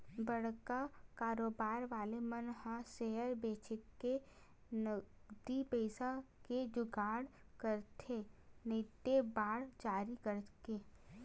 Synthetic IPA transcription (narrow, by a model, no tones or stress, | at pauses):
bəɽ̤kakaːɾoːbaːɾʋaːlemənhãʃeɦəɾbeːt͡ʃʰɪkːe | nəd̪ipɛːsaked͡ʒʊɡaːɽkəɾt̪ʰenɪt̪ːebaːɽd͡ʒaːɾikəɾkeː